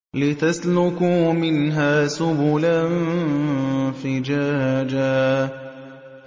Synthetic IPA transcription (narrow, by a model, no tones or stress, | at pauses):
lɪt̪aslʊkumɪnɦaːsʊbʊlan | fɪd͡ʒad͡ʒa